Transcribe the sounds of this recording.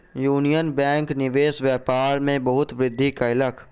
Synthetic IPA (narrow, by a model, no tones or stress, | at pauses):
juːnijənbɛ̃ːŋknɪʋeːsʋjɛːpaːɾmẽbɐɦʊt̪ʋɾɪd̪ʱːikaɪləkʰ